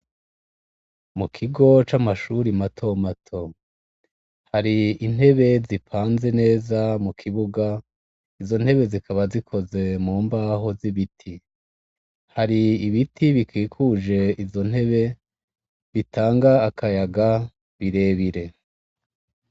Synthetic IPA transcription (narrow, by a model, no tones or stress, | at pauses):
mukʰiɡo̞t͡ʃamaʃuɾimatʰo̞matʰo̞ | haɾiin̥he̞βe̞zipʰaːnze̞ne̞ːzamukʰiβuɡa | izo̞n̥he̞βe̞zikʰaβazikʰo̞ze̞muːmbaːɦo̞ziβitʰi | haɾiːβitʰiβikiːkʰuʒe̞izo̞n̥he̞βe̞ | βitʰaːŋɡaːkajaɡa | βiɾe̞βiɾe̞